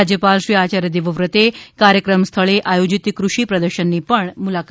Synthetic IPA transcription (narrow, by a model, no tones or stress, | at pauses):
d͡ʒjəpalʃɾiat͡ʃaɾjəd̪eʋəʋɾət̪ekaɾjəkɾəmst̪ʰəɭeʔajod͡ʒit̪kɾuʃipɾəd̪əɾʃənːipəɳmulak